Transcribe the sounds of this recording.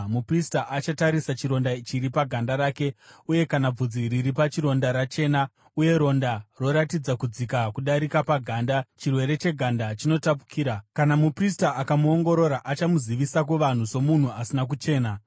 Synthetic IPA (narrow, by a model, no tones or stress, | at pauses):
mupristaʔat͡ʃataɾisat͡ʃiɾo̞ndait͡ʃiɾipaɡʱandaɾaːke̞uje̞kanab͡vud͡ziɾiɾipat͡ʃiɾo̞ndaɾat͡ʃe̞na | uje̞ɾo̞ndaro̞ɾatid͡zakud͡zikakuɗaɾikapaɡʱaːndat͡ʃirwe̞ɾe̞t͡ʃe̞ɡʱandat͡ʃino̞tapu̥kʰiːɾakanamupristaʔakamuo̞ŋɡo̞ɾo̞ɾaʔat͡ʃamuziʋisak̬uʋan̤uso̞mun̤uasinak̬ut͡ʃe̞ːna